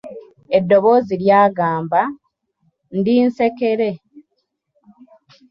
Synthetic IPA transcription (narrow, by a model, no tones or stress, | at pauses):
e̞dːo̞βo̞ziɾjaːɡaːmba | ndiːnse̞ke̞ɾe̞